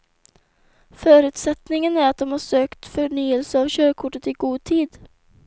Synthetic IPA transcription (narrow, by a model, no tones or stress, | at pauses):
fœːɾʉ̟ːt̪sɛt̪nɪŋənæɾat̪̚d̪ɔmhaʂøːkt̪fœɳyːəlsəavɕøːɾkʰʊʈːət̪ɪɡuːd̪̚t̪ʰiːd̪